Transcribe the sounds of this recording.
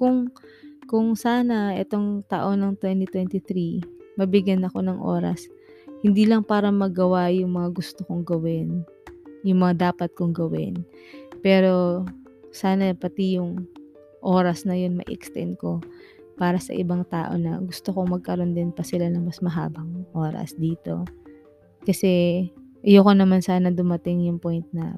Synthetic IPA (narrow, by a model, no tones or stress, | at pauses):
kʊŋ | kʊŋsaːnɐʔɛt̪o̞ŋt̪a̰ʔo̞nɐŋt̪wɛnt̪it̪wɛnt̪ɪt̪ɾimɐbɪɡjanɐko̞nɐŋʔo̞̰ːɾɐ̰s | hɪnd̪iːlɐŋpaːɾɐmɐɡɐwajʊŋmɐŋaɡʊst̪okoŋɡɐwɪn | jʊŋmɐŋad̪aːpɐt̪̚koŋɡɐwɪ̰n | pɛːɾo̞ | saːnɐpɐt̪ɪjʊŋ | ʔoːɾɐsnɐjo̞nmɐ̰ʔḭʔɛkst̪ɛ̰nd̪̚ko̞ | paːɾɐsɐ̰ʔɪbaŋt̪a̰ːʔo̞̰nɐ̰ɡʊst̪okoŋmɐɡ̚kɐɾo̞nd̪ɪnpɐsɪlanɐŋmɐsmɐɦa̰ːbɐŋʔo̞ːɾɐ̰sd̪iːt̪o̞̰ | kɐsɛʔɐjokonɐmansaːnɐd̪ʊmɐt̪ɪŋjʊŋpojnt̪̚nɐ̰